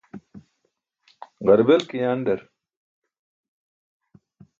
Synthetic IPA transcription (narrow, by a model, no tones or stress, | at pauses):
ʁɐɾbelkijaːnɖɐɾ